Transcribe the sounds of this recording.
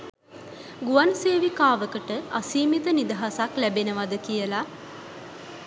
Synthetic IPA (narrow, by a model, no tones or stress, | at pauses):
ɡuʋanseːʋikaːʋəkəʈəasiːmit̪ənid̪əɦasaklæbenəʋad̪əkijəla